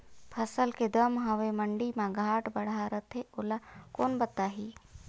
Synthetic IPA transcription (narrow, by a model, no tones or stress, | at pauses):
pʰəsəlked̪əmɦəʋeməɳɖimãɡʱaːʈbəɽ̤aɾət̪ʰeolakoːnbət̪ːaːɦi